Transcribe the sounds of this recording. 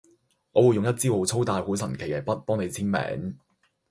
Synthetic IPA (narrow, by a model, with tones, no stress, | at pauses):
ŋɔː˨˧wu˨˧jʊ˨ŋjɐ˥t̚t͡siː˥wo˨˥wt͡sʰo˥wt̪aː˧jhuː˨˥sɐ˨˩nkʰe˨˩jɐ˨˩jpɐ˥t̚pɔː˥ŋne˨˧jt͡sʰiː˥nmɛ̰ː˨˥ŋ